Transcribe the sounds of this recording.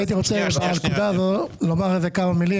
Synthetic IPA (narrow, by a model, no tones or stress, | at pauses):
it̪̬iʁo̞t͡sebalkud̪aːzolomaʁezekamamili